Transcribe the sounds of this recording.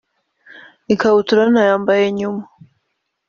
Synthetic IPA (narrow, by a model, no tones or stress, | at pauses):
ikaβutuɾanajaːmbajeɲuma